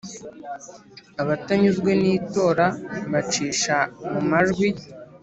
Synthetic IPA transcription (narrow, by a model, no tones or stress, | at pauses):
aβataɲuzɡwe̞niːto̞ːɾaβat͡ʃiːʃamumaʒɡwi